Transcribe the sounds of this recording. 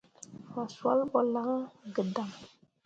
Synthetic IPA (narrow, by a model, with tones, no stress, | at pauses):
fa˨swa˦lɓɔ˨la˦ŋ˦ɡə˨da˨ŋ